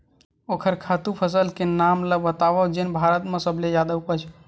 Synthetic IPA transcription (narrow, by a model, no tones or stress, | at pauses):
okʰəɾkʰat̪upʰəs̬əlkenamləbət̪aʋəd͡ʒenbʱaɾət̪mesəbʱled͡ʒad̪aupət͡ʃʰ